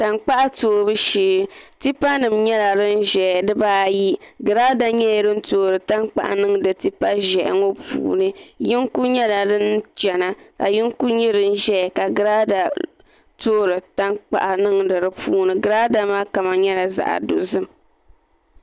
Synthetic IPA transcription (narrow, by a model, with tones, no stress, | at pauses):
ta˨nk͡pa˦ʔa˦toː˦bɨ˦ʃiː˦ti˦pa˦nɨ˨mɲɛ˦la˨ɾɨ˦n˦ʒɛ˨dɨ˦baː˦ji˦ɡɨ˨ɾa˦da˦ɲɛ˦˨ɾɨ˦n̩˦toː˦ɾɨ˨ta˦ŋk͡pa̰˨ʔa̰˨nɨ˦ŋdɨ˨ti˦pa˦ʒɛ˨ʔŋo˦pṵː˨nɨ˦ji˦ŋku˦ɲɛ˦la˨dɨ˦nt͡ʃɛ˨na˨ka̰˨ji˦ŋku˦ɲi˦ɾɨ˦n̩˦ʒɛ˦˨ka˨ɡɨ˦ɾa˦da˨ | toː˦ɾɨ˨ta˦nk͡pa̰˨ʔa˨nɨ˦ŋdɨ˨ɾɨ˦pʰuː˦nɨ˨ɡɨ˨˦ɾa˦da˦maː˦ka˨ma˨ɲɛ˦la˨za̰˨ʔa̰˨do˨zɨ˦m